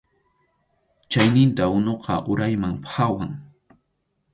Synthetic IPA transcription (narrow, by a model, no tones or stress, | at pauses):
t͡ʃajnɪnt̪aʊnoqʰɑ̰ʔʊɾajmaŋpxawaŋ